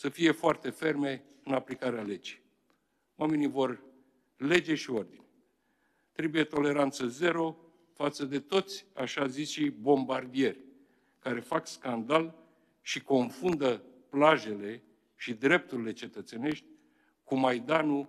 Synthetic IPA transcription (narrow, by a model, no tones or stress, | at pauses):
səfije̞foart̪e̞fe̞rme̞ | ɨnaplikaɾeale̞d͡ʒij | wame̞nivo̞r | le̞d͡ʒe̞ʃio̞rd̪inʲ | t̪ɾe̞buje̞t̪o̞le̞ɾant̪səze̞ɾo̞ | fat̪səd̪e̞t̪o̞t̪sʲa̰ʃazisʃibo̞mbard̪ie̞rʲ | kaɾe̞fakskand̪al | ʃiko̞nfund̪əplaʒe̞le̞ | ʃid̪ɾe̞p̚t̪uɾile̞t͡ʃe̞t̪ət̪se̞ne̞ʃt̪ʲ | kumajd̪anu